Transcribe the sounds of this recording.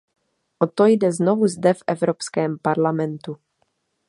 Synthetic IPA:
ʔot̪ojdɛznovuzdɛfʔɛvɾopskɛːmpaɾlamɛnt̪u

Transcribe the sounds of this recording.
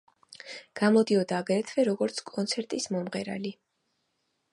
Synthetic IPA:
ɡ̥amɔd̪iɔd̪aːɡɾɛt̪ʰvɛɾɔɡɔɾt̪sʰkʼɔnt̪sʰɛɾt̪ʼismɔmʁɛɾa̰li

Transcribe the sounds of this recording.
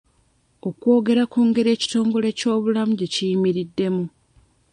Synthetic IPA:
o̞kwo̞ːɡe̞ɾakuːŋɡe̞ɾe̞ːci̥to̞ːŋɡo̞le̞co̞ːβulamuɟe̞cijimiɾidːe̞mu

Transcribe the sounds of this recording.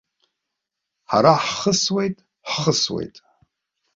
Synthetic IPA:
ħa̰ɾaħχəswejtʼ | ħχəswḛjtʼ

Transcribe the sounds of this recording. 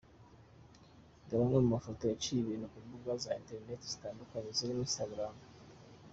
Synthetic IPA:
ɡaβamemumafotojat͡ʃiβinokubuɡwazainteɾinetez̥itaːndukaɲezoɾiinstaɡɾaːm

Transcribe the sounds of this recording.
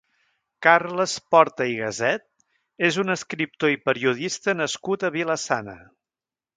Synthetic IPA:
karləspɔɾt̪əiɣəzɛt̪̚ | ezunəskɾip̚t̪oipəɾiuðist̪ənəskut̪əβiləsanə̰

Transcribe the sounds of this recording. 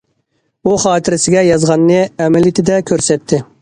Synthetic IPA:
uχɑːt̪ʰɪɾɪsɪɡʲɛjɑzʁɑnːɨɛmɛljit̪ʰɪd̪ɛkʲʰøɾsɛt̪ʰːɪ

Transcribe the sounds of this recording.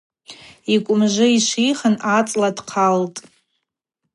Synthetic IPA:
ikʷʼʊmʒʷɨiʃʷijχənat͡sʼladqʰaltʼ

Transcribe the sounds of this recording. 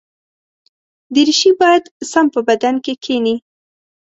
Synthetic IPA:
d̪əɾiʃibɑjad̪sampəbad̪ankekʰeni

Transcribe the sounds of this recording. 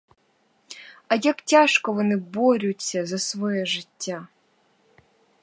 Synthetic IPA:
ajaktʲaʂkɔvɔnɨboɾʲusʲɐzɐsvojɛʐɨtʲːa

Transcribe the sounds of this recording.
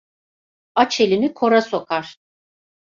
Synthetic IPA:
at͡ʃʰelʲinikʰo̞ɾaso̞kʰaɾ̥

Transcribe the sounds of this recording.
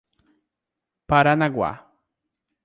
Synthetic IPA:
paɾanaɡwa̰

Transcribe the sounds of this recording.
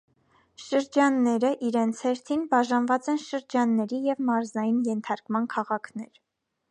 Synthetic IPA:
ʃəɾd͡ʒɑnːɛɾəʔiɾɛnt͡sʰhɛɾt̪ʰinbɑʒɑnvɑt͡sɛnʃəɾd͡ʒɑnːɛɾijɛvmɑɾzɑjinjɛnt̪ʰɑɾkmɑnkʰɑʁɑkʰnɛ̰ɾ

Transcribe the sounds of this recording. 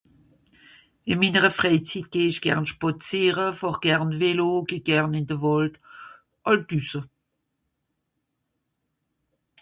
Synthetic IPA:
ɪminəʁəfʁɛɪt͡sit̚ɡ̥eːɪʃɡ̥ɛ̰ʁnʃpɔt͡siːʁəfɑχɡ̥ɛʁnveloɡ̥eɡ̥ɛʁnɪndəvɔlt | ʔɑldysə

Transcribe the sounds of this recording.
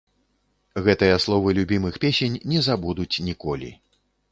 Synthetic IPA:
ɣɛt̪ɨjɐslˠɔvɨlʲubʲimɨxpʲesʲenʲnʲɛzabud̪ut͡sʲnʲikɔlʲḭ

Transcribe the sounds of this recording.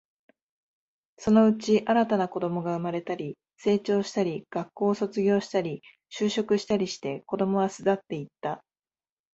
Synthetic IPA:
so̞no̞ɯ̟t͡ɕiʔaɾat̪anako̞d̪o̞mo̞ɡaɯ̟maɾe̞t̪aɾʲi | se̞ːt͡ɕo̞ːɕi̥t̪aɾʲiɡ̥akːo̞ːso̞t͡sɨɡʲo̞ːɕi̥t̪aɾʲi | ɕɨːɕo̞kɯ̟ɕi̥t̪aɾʲiɕi̥t̪e̞ko̞d̪o̞mo̞βasɨd̪at̪ːe̞it̪ːa

